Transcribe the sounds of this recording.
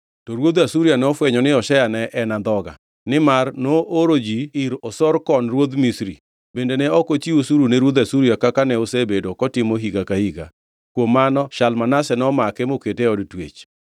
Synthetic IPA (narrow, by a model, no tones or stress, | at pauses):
tɔɾwod̪asuɾijanɛɔfwɛɲɔnɪɔʃɛjanɛʔɛnand̪ɔɡa̰ | nɪmarnoʔoɾod͡ʒiiɾɔsɔɾkɔnrwod̪misɾḭ | bendenɛɔkot͡ʃiwosuɾuneɾwod̪asuɾijakakanɛosebedokɔtɪmoɦiɡakahiɡa̰ | kwomːanɔʃalmanasɛnɔmakɛmoketeɔdtwḛt͡ʃ